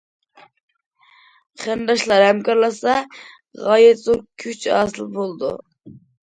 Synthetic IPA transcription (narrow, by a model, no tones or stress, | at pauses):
χænd̪ɑʃlˠɑɾhɛmkɑɾlˠɑsɑ | ʁɑjɛt̪zoɾkʲʰyt͡ʃɑ̰ːsɨlˠbolˠd̪ṵ